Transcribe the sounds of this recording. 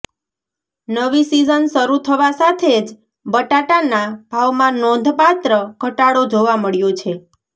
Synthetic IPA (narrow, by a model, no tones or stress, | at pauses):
nəʋisizənʃəɾut̪ʰəʋasat̪ʰed͡ʒ | bəʈaʈanab̥ʱaʋmãnɔ̃nd̪ʱpat̪ɾəɡʱəʈaɽod͡ʒoʋaməɭjot͡ʃʰe